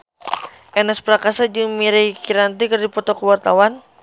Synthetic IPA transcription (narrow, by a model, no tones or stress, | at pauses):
ʔɛnɛspɾakasad͡ʒumiɾijkiɾant̪ikɨrdipɔt̪ɔkəwart̪awan